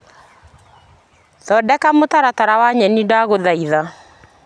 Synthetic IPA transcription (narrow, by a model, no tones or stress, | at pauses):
ðɔdɛkamotaɾataɾawaɲɛnidaɣoðaiða